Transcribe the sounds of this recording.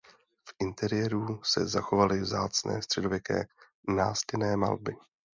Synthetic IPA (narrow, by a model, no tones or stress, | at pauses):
fʔɪnt̪ɛɾɪjɛɾusɛ̰zaxo̞valɪvzaːt͡snɛ̰ːst̪r̝̥ɛdovjɛkɛ̰ː | na̰ːscɛnɛːma̰lbɪ